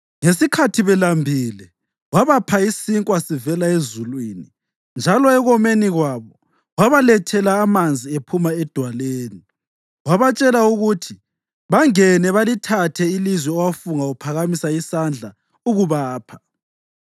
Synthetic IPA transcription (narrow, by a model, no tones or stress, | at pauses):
ŋesikʰatʰiβɛlambʱiːlɛ | waβapʰaisiŋkʼwasivɛlaezulwiːni | nd͡ʒʱalɔɛɣɔmeniɣwaːβɔ | waβalɛtʰɛlaːmand͡zʱiepʰumaɛd̥ʱwaleːni | waβat͡ʃʼɛlauɣutʰi | βaŋɛnɛβalitʰatʰɛilizwɛɔwafuŋaupʰaɣamisaisand͡ɮʱa | uɣuβaːpʰḁ